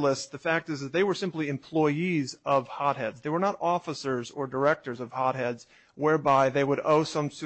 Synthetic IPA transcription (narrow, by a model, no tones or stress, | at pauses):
ləsðɨfæk̚tɨzðɨt̪̚ðeɪwə˞sɪ̃mpliɨ̃mpʰl̥ɔɪizʌv̥hɑt̚ɦɛdzðeɪwə˞nəɾɔfəsə˞zə˞də˞ɛk̚tə˞zʌv̥hɑt̚ɦɛdz̥ | wɛɹbaɪðeɪwəɾoʊsʌ̃ms